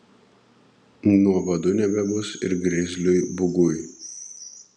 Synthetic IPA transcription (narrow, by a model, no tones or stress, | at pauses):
nuɔʋɐd̪ʊnʲɛbʲɛbʊsɪ̰ɾɡɾʲɪzʲlʲʊjbʊɡʊj